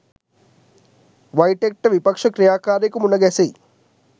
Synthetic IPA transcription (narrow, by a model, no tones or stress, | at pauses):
ʋɐjʈek̚ʈɐʋipɐkʂɐkɾijaːkaːɾikumunːɐɡesi